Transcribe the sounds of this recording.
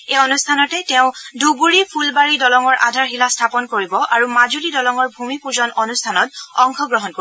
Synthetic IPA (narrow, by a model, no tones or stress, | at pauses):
eɔnustʰanɔtɛtɛʊ̃duɡuɹipʰulbaɹidɔlɔŋɔɹʔa̰dʱaɹɦilastʰapɔnkoɹibɔʔaɹumazulidɔlɔŋɔɹbʱumipuzɔnɔnustʰanɔtɔŋxʰɔɡɹɔɦɔnko